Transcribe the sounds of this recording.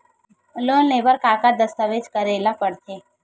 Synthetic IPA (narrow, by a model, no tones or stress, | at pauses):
loːnːebəɾkakad̪əst̪əʋed͡ʒkəɾelapəɽt̪ʰe